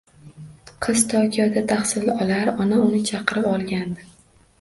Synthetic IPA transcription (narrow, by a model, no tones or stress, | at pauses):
qʰɨz̥t̪ʰɒkʲʰijɒd̪at̪ʰaχsɪlɪɒlaɾɒnaʊnɪt͡ʃʰɑqɨɾɪpɒlˠɡʲand̪ɪ